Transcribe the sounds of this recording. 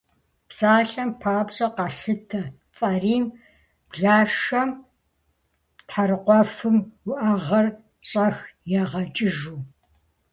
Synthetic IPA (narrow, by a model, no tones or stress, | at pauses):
psaːɬɐmpʰaːbɕʼɐqɑɬɨtʰɐ | fʼɐriːm | bɮaːʂɐm | tħaɾɨqʷɔfɨmwʊʔɐʁɐr | ɕʼɐxjɛʁɐt͡ʃʼɪʒuː